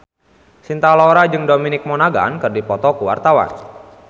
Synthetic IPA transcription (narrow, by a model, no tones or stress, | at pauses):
sint̪alɔɾad͡ʒɨŋdominɪk̚mɔnaɡa̰nkɨrdipɔt̪ɔkuwa̰rt̪awa̰n